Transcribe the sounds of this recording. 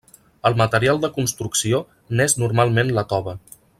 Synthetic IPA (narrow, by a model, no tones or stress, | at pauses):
əlˠmət̪əɾialˠd̪əkunst̪ɾuksio | nɛznuɾmalˠmenlət̪ɔβə